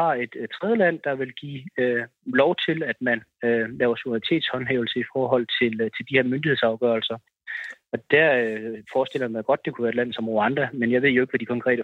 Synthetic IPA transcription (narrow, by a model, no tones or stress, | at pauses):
hɑ̈e̝d̥t͡sʰʁɛð̞ˠəlæn̰d̥ɑ̈ʋe̝lɡ̥ḭːølɒʊt͡sʰe̝læd̥mænølɛːʊɐsud̥ɐit͡sʰe̝̰ːd̥shɒ̽nɦɛ̰ʊl̩səifɒːɦɒ̽l̰t͡sʰe̝lt͡sʰe̝ld̥ihe̝ɐmønd̥iheðˠsɑ̈ʊɡ̥œːɐlsɐ | ɒ̽d̥æɐøfɒːsd̥e̝l̰ɐmɑɡ̥ɒ̽d̥̚ːe̝kʰuʋæːɐed̥læn̰ð̩ˠsɒ̽moɑ̈nd̥ʁɐmenjɑ̈ɪe̝ð̞̰ˠjoe̝ɡ̥ʋæd̥ikʰɒ̽ŋkʰʁɛ̰ːdə